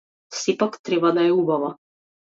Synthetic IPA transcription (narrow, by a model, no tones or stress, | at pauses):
sipakt̪ɾɛbad̪aɛubava